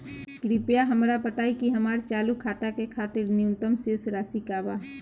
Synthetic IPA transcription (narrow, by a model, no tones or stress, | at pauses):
kɾipjaɦɐmɾapɐt̪aːikiɦɐmaːɾt͡ʃaːlukʰaːt̪akekʰaːt̪ɪɾnɪʊnt̪əmseːsɾaːsikaːba